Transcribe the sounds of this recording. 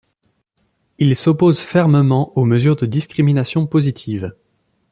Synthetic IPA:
ilsɔpozfɛʁməmɑ̃oməzyʁd̪əd̪iskχiminasjɔ̃pozit̪ʰiv

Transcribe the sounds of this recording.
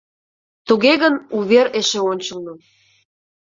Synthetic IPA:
t̪uɣeɣənuβeɾeʃeonʲt͡ɕəlno

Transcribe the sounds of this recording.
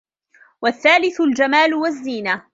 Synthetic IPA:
waθːaːlɪθʊld͡ʒamaːlʊwazːiːna

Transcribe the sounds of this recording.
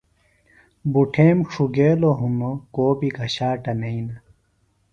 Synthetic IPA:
buʈʰeːmʂʰuɡeːloɦunokoːbiɡʱɐɕaːʈɐnɐinɐ

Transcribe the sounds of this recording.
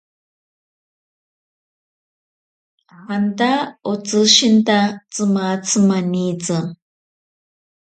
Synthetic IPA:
hand̪aot͡sɨʃint̪at͡sɨmat͡sʰɨmanit͡sɨ

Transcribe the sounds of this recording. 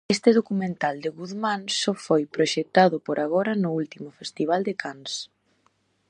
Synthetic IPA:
est̪ɪðokumẽnt̪ald̪ɪɣuðmãnsɔfojpɾoʃek̚t̪aðʊpoɾʔaɣ̞ɔɾɐnʊult̪imʊfest̪iβ̞ald̪ɪkʰans

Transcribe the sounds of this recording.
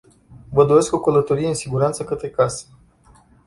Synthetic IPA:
vəd̪o̞ɾe̞skukələt̪o̞ɾijeɨnsiɡuɾant̪səkət̪ɾe̞kase̥

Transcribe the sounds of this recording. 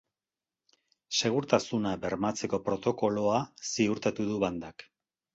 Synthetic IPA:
se̞ɣ̞uɾt̪asunabe̞ɾmat͡se̞ko̞pɾo̞t̪o̞ko̞lo̞asiuɾt̪at̪uðuβand̪ak

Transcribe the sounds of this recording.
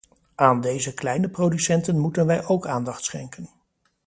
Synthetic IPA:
aːndejzəklɛjnəprowdysɛntənmutənʋɛjʔowkaːndɑχtsχɛ̰ŋkən

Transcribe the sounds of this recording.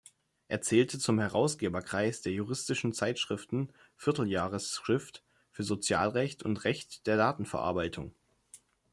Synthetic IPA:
ʔeːɐt͡sɛːltʰət͡sʊmhɛʁaʊsɡ̥eːbɐkʁ̥aɪsd̥eːɐjuʁ̞ɪstɪʃn̩t͡saɪtʃʁ̥ɪftn̩ | fɪɐtl̩jaːʁəsʁ̥ɪft | fyːɐzot͡sja̰ːlʁɛçtʊ̰ntʁɛçtd̥eːɐdaːtn̩fɛɐʔa̰ɐbaɪtʰʊŋ

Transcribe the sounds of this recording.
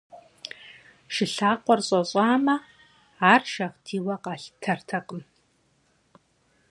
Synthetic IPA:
ʃɪɬaːqʷɔrɕʼɐɕʼaːmɐ | aːrʃɐʁtʰiːwɐqɑːɬtʰɐrtʰɐqʼəm

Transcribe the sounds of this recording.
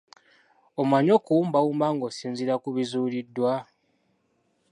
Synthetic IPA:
omwaɲokuuːmbawuːmbaŋɡosiːnziɾakuβizuːlidːwa

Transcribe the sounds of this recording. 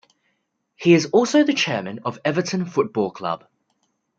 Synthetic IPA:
hiɪzɔˑlˠsəʊðət͡ʃʰɛːmə̃nəvɛvətə̃nfʊt̚b̥ɔːlˠkʰl̥ʌ̰b̥

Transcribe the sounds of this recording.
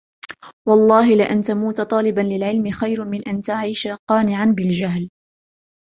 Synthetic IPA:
wɑlˤːɑːɦɪlɪʔant̪amuːt̪t̪ˤɑːlɪbanlɪlʕɪlmɪxajɾmɪnʔant̪aʕiːʃaqɑːnɪʕanbɪld͡ʒaɦl

